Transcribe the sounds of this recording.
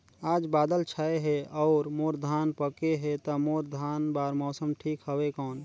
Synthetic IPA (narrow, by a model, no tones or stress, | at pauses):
aːd͡ʒbaːd̪əlt͡ʃʰaeɦeɔːɾmoːɾd̪ʱaːnpəkeɦet̪əmoːɾd̪ʱaːnbaːɾmɔːsəmʈʰiːkɦəwekɔːn